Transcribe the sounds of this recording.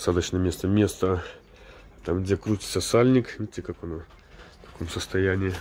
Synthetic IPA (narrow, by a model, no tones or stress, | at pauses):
sad̪ət͡ɕnəmʲest̪əmʲest̪ə | t̪amɡdʲekɾutʲɪ̥sʲəsalʲnʲɪkvʲiɪtʲːɪkakɐno | k̪ɐ̥komsəst̪ɐjænʲɪɪ